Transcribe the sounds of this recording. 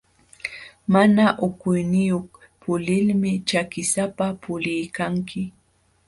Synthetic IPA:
manaʔʊkʊjnɪjoχ | pʊlɪlmɪt͡ʃakɪsapapʊlɪjkaŋkʰɪ

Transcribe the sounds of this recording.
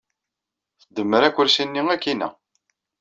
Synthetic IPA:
θəd̪ːəmːəɾækʷːʊɾsinːiŋækːinæ̰

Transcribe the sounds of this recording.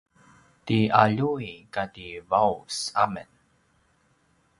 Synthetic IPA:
tiaʎuikativausa̰mən

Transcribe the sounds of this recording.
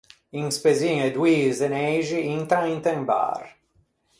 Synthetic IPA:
iŋspeziŋed̪wiːzenɛjʒiint̪ɾaint̪emba̰r

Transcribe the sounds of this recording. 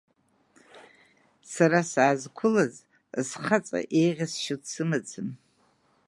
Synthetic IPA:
saɾasaazkʷʰʊlaz | sχat͡sʼa̰ʔejʁʲasʃɪdsɨmat͡sʰɨn

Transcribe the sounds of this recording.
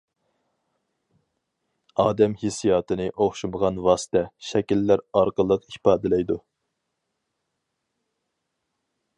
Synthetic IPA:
ɑːd̪ɛmhisijɑːt̪ɨnɨʔoχʃuməʁɑnwɑːsɨ̥t̪ʰɛʃɛkʲilːæɾɑɾqəlˠəqipɑːd̪ɪlɛjd̪u

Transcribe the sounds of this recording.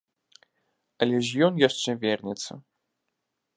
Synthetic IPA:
ɐlʲɛʐjɔnjaʂt͡ʂɛvʲɛrnʲɛt̪sɐ̰

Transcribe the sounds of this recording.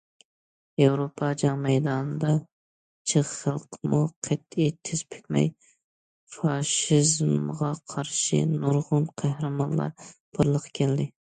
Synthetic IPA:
ewɾopʰɑd͡ʒɑŋmɛjd̪ɑnɨd̪ɑ | t͡ʃʰɨʁχəlˠqʰmuqʰet̪it̪ʰɪz̥pʰɪ̥kʲmɛ̰j | fɑʃizmʁɑqʰɑɾʃɨ̰nuɾʁʊnqʰæhɾɨmɑnlˠɑ̰ɾbʰʊɾlˠəqʰkʲʰɛld̪ɪ

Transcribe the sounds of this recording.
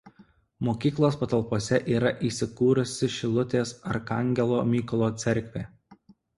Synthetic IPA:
moːkʲiːklˠoːspɐt̪ɐlˠˑpoːsʲɛʔiːɾɐʔiːsʲɪkuːɾʊsʲɪʃʲɪlˠʊt̪ʲeːsɐɾkɐŋʲɡʲɛlˠoːmʲiːkʊlˠoːt̪sʲɛɾʲkʲʋʲeː

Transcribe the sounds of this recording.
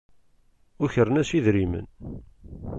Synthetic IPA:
ʊçəɾənæsiðɾimə̰n

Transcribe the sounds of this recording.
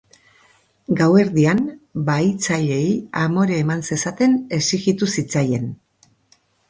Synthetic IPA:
ɡawe̞ɾðianbajt͡saʎe̞iamo̞ɾeːmanse̞sat̪e̞ne̞siɣit̪usit͡saje̞n

